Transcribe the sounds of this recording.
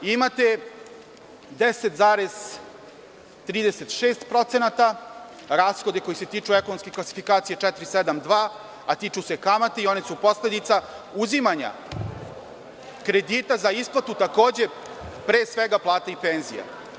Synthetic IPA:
imat̪e̞ | d̪eset̪zaːɾez̥ | t̪ɾiːd̪ese̞t̪ʃeːst̪pɾo̞t̪se̞nat̪a | ɾaːsxod̪eko̞jise̞t̪iːt͡ʂuekonomskeklasi̥fikaːt̪sijet͡ʃɛt̪ɾised̪amd̪ʋaː | at̪iːt͡ʃusekamat̪eio̞nesupo̞sled̪it̪sa | uzimaɲa̰ | kɾe̞d̪iːt̪azaisplˠat̪ut̪ako̞ːd͡ʑe̞ | pɾeːsʋeɡaplˠaːt̪aipeːnzḭja̰

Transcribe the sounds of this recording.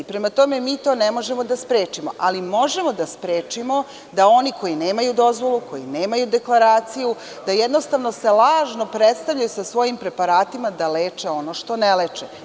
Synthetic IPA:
ipɾe̞mat̪o̞me̞miːt̪o̞ːnemo̞ʒemo̞d̪aspɾeːt͡ʃimo̞ʔalimo̞ʒe̞mo̞d̪aspɾeːt͡ʃimo̞ | d̪ao̞nikʰo̞jine̞ːmajud̪o̞zʋo̞lˠuko̞jine̞ːmajud̪e̞klˠaɾaːt̪siju | d̪ajed̪no̞st̪aʋnose̞lˠaːʒno̞pɾet̪st̪avʎajusasʋo̞jimpɾe̞paɾaːt̪imad̪aleːt͡ʃe̞o̞no̞ʃt̪o̞nelet͡ʃe

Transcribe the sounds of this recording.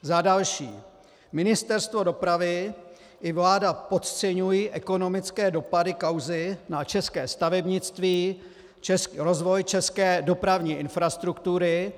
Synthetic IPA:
zadalʃḭː | mɪnɪst̪ɛɾst̪vo̞do̞pɾavɪ | ʔɪvlaːdapo̞t̪t͡sɛɲujiːʔɛko̞no̞mɪt͡skɛːdo̞padɪkawzɪnat͡ʃɛskɛːst̪avɛbɲɪt͡st̪viː | t͡ʃɛsɾo̞zvo̞jt͡ʃɛskɛːdo̞pɾavɲiːʔɪnfɾast̪ɾukt̪uɾɪ

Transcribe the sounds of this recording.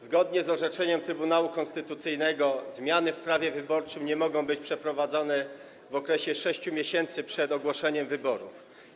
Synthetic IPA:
zɡɔd̪ɲɛzɔʐɛt͡ʂɛɲɛmt̪ɾɘbun̪awukɔ̃nst̪ɘt̪ut̪sɘjnɛɡɔzmʲjanɘfpɾavʲjɛvɘbɔɾt͡ʂɘmɲɛmɔɡɔ̃w̃bɘt͡ɕpʂɛpɾɔvad̪zɔnɛ | vɔkɾɛɕɛʂɛɕt͡ɕumʲjeɕɛnt̪sɘpʂɛd̪ɔɡwɔʂɛɲɛmvɘbɔɾṵf

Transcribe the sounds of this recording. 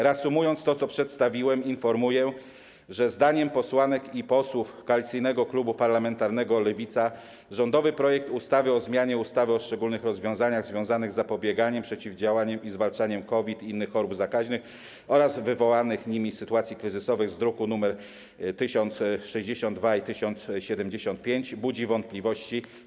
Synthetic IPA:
ɾasumujɔnt̪st̪ɔt̪sɔpʂɛt̪st̪avʲiwɛminfɔɾmujɛ | ʐɛzd̪aɲɛmpɔswanɛkipɔswufkɔalʲit̪sɘjnɛɡɔklubupaɾlamɛnt̪aɾnɛɡɔlɛvʲit̪sa | ʐɔnd̪ɔvɘpɾɔjɛk̚t̪ust̪avɘɔzmʲjaɲɛust̪avɘɔʂt͡ʂɛɡulnɘxɾɔzvʲjɔ̃w̃zaɲaɣzvʲjɔ̃w̃zanɘɣzːapɔbʲjɛɡaɲɛmpʂɛt͡ɕivd͡ʑawaɲɛmizvalt͡ʂaɲɛmkɔvʲit̪inːɘxːɔɾubzakaʑnɘx | ɔɾazvɘvɔwanɘxɲimʲisːɘt̪uwat̪sʲjikɾɘzɘsɔvɘɣzd̪ɾukunumɛɾ | t̪ɘɕɔnt̪sʂɛʑd͡ʑeɕɔnd̪vait̪ɘɕɔnt̪sɕɛd̪ɛmd͡ʑeɕɔnt̪̚pʲjeɲd͡ʑbud͡ʑivɔnt̪̚plʲivɔɕt͡ɕi

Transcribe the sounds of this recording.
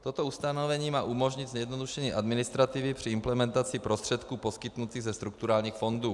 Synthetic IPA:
t̪o̞t̪o̞ust̪anovɛɲiːmaːʔumo̞ʒɲɪd̪zɲɛjɛd̪no̞duʃɛɲiːʔad̪mɪnɪst̪ɾat̪ɪvɪpr̥ɪɪmplɛmɛnt̪at͡sɪpɾost̪r̥ɛt̪kuːpo̞skɪt̪nut̪iːɣzɛst̪ɾuk̚t̪uɾaːlɲiːxfo̞nduː

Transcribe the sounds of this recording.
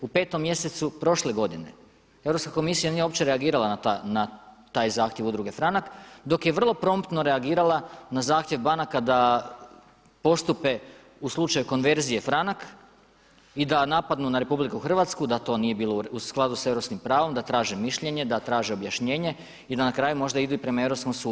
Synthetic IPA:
upe̞ːt̪o̞mːje̞se̞t̪supɾo̞ʃle̞ɡo̞d̪ine̞̰ | evɾo̞pskako̞misijanijeo̞pt͡ɕe̞ɾe̞aɡiːɾalˠananat̪aːjzaːxt̪jeʋud̪ɾuɡe̞fɾanakd̪o̞kje̞ʋr̩lˠo̞pɾo̞mpt̪no̞ɾe̞aɡiːɾalˠanazaːxt̪jeʋbanakad̪a | po̞st̪upe̞ | uslˠut͡ʃajuko̞nʋe̞ɾzije̞fɾanak | id̪anapad̪nunaɾe̞publikuuxr̩ʋat̪skud̪at̪o̞ːnije̞biːlˠousklˠad̪use̞ʋɾo̞pskimpɾaːʋo̞md̪at̪ɾaːʒimiʃʎeɲe̞d̪at̪ɾaːʒio̞bjaʃɲe̞ːɲe̞ | id̪anakɾaːjumo̞ʒd̪aid̪uipɾe̞mae̞ʋɾo̞pskomsuːd̪u

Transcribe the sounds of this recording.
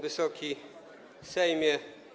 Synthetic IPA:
vɘsɔkʲʰi | sɛjmʲjɛ

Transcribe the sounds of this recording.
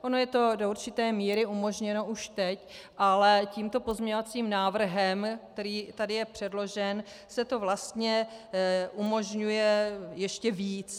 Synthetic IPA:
ʔo̞no̞jɛt̪o̞do̞uɾt͡ʃɪt̪ɛːmiːɾɪʔumo̞ʒɲɛno̞ʔuʃt̪ɛcʔalɛciːmt̪o̞po̞zmɲɛɲovat͡siːmnaːvr̩ɦɛmk̚t̪ɛɾiːt̪adɪjɛpr̝̥ɛdlo̞ʒɛn | sɛt̪o̞vlast̪ɲɛ | ʔumo̞ʒɲujɛjɛʃcɛviːt͡s

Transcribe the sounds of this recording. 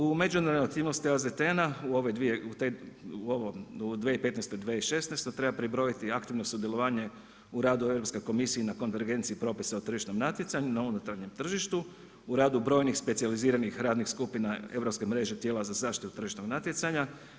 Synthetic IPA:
ume̞d͡ʒund̪eoak̚t̪iːʋnost̪iazd̪et̪enauo̞ʋejd̪ʋije̞ut̪euoʋoud̪ʋeipe̞t̪nest̪od̪ʋeiʃe̞snest̪ot̪ɾe̞bapɾibɾo̞it̪iakt̪iʋnosud̪je̞lˠo̞ʋaːɲe̞ | uɾaːd̪ue̞ʋɾopsko̞jko̞misiːnako̞nʋe̞ɾɡe̞nt̪siipɾo̞ːpisaot̪r̩ʒiʃno̞mnat̪jet̪saɲunaunut̪ɾaɾɲe̞mt̪r̩ʒiʃt̪u | uɾaːd̪ubɾo̞ːjnixspe̞t̪sializiːɾanixɾaːd̪nixskupinae̞ʋɾo̞pske̞mɾe̞ʒet̪jeːlazazaːʃt̪i̥t̪ut̪r̩ʒiʃno̞ɡnat̪jesaɲa

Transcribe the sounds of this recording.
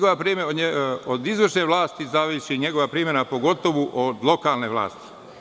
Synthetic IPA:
ɡoʋapɾimeod̪izʋrʃneʋlˠaːst̪izaʋiːʃiɲeɡoʋapɾimenapo̞ɡo̞t̪oʋuʔod̪lˠo̞kaːlneʋla̰ːst̪i̥

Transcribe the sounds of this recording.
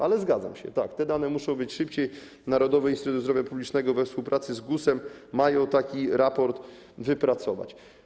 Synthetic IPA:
ʔalɛzɡad̪za̰mɕɛ̰t̪ak̚t̪ɛd̪anɛmuʂɔ̃w̃bɘt͡ɕʂɘpt͡ɕej | naɾɔd̪ɔvɛist̪ɾut̪uzd̪ɾɔvʲjapublʲit͡ʂnɛɡɔvɛfspuwpɾʔat̪sɘzɡusɛmːajɔ̃w̃t̪akʲiɾapɔɾt̪ | vɘpɾat̪sɔva̰t͡ɕ

